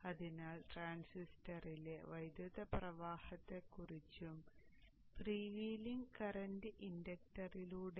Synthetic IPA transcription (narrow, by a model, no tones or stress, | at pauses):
ɐðinaːlʈraːnsistɐrile̞ʋɐjd̪juðɐprɐʋaːhɐt̪ːe̞kːurit͡ɕːum | priːʋiːliŋɡkɐrɐndɨʔindɐk̚ʈɐriluːɽe